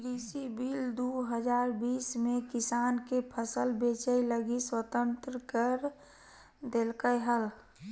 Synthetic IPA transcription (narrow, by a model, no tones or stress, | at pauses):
ɾisibild̪uɦəd͡ʒaɾbiːsmẽkɪsankepʰəsəlbet͡ʃəjləɡiswət̪ə̃nt̪ɾəkəɾ | d̪elkəjɦəl